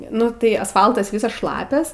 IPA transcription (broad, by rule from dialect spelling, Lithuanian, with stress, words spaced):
ˈnʊ tɐɪ ɐsˈfɐlˠtɐs ˈʋʲiːsɐs ˈʃlˠɑːpʲɛs